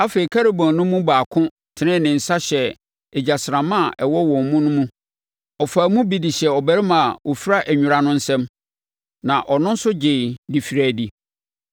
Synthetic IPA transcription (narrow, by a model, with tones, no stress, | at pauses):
a˦fe˨i˨kʰa˦ɾe˦˨bɔ̃˨nʊ̃˦mũ˦baː˨kʰʊ̃˦ | tʰɪ˨nɪ̃˦˨nɪ̃˨n̩˨sa˦ɕɛ˨ | ɛ˨d͡ʑa˨sɪ˨ɾã˨mã˦˨ʔɛ˨wɔ˦wɔ̃˨mmũ˦nʊ̃˦mũ˦ | ɔ˨faː˨mũ˦bi˨di˨ɕɛ˨ɔ˨bæ˦ɾɪ˦mã˨wo˨fi˦ɾa˦ʔɛ˨ɲᶣʊ̃˨ɾa˦nʊ̃˦n̩˦sɛ̃˦m | nã˨ʔɔ˨nʊ̃˦n̩˦sʊ˦d͡ʑe˨di˨fi˨ɾæ˨di˦